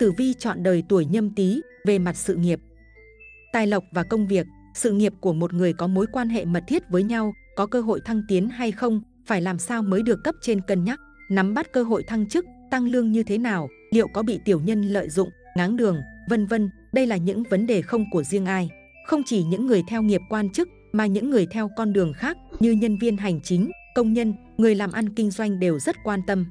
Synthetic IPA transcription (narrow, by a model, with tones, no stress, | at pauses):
t̪ɨ˧˩vi˧t͡ɕɔ̰˧˨nɗəː˨˩jt̪u˧˩əjɲə˧mt̪i˨˦ | ve˨˩ma˨˩t̚sɨ̰˧˨ŋi˨˩əp̚ | t̪aː˧jlə˨˩wk͡p̚vaː˨˩kə˧wŋ͡mvi˨˩ək̚ | sɨ̰˧˨ŋi˨˩əp̚ku˧˩əmo˨˩t̚ŋɨ˨˩əjkɔ˨˦mo˨˦jkwaː˧nɦḛ˧˨mə˨˩t̚t̪ʰi˦˥ət̚vəː˨˦jɲa˧w | kɔ˨˦kəː˧ɦo̰˧˨jt̪ʰa˧ŋt̪i˨˦ənɦa˧jxə˧wŋ͡m | faː˧˩jlaː˨˩msaː˧wməː˨˦jɗɨ˨˩əkːə˦˥p̚t͡ɕe˧nkə˨˩nɲa˦˥k̚ | na˨˦mɓa˦˥t̚kəː˧ɦo̰˧˨jt̪ʰa˧ŋt͡ɕɨ˦˥k̚t̪a˧ŋlɨ˧əŋɲɨ˧t̪ʰe˨˦naː˨˩w | lḭ˧˨əwkɔ˨˦ɓḭ˧˨t̪i˧˩əwɲə˧nlə̰ː˧˨jzʊ̰˧˨ŋ͡m | ŋaː˨˦ŋɗɨ˨˩əŋvə˧nvə˧n | ɗə˧jlaː˨˩ɲɨ̰˧˥ŋvə˨˦nɗe˨˩xə˧wŋ͡mku˧˩əzi˧əŋʔaː˧j | xə˧wŋ͡mt͡ɕi˧˩ɲɨ̰˧˥ŋːɨ˨˩əjt̪ʰɛ˧wŋi˨˩əp̚kwaː˧nt͡ɕɨ˦˥k̚ | maː˨˩ɲɨ̰˧˥ŋːɨ˨˩əjt̪ʰɛ˧wkɔ˧nɗɨ˨˩əŋxaː˦˥k̚ɲɨ˧ɲə˧nvi˧ənɦa˨˩jŋ̟t͡ɕï˨˦ŋ̟kə˧wŋ͡mɲə˧n | ŋɨ˨˩əjlaː˨˩mʔa˧nkï˧ŋ̟zwa˧jŋ̟ɗe˨˩wzə˦˥t̚kwaː˧nt̪ə˧m